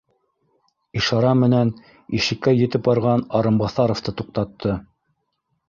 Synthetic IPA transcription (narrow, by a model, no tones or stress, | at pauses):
iʃɑɾɑmɘ̆næn | iʃɘ̆kːæjɘ̆t̪ɘpbɑɾʁɑnɑɾɤmbɑθɑɾŏft̪ɤt̪uq̚t̪ɑt̪ːɤ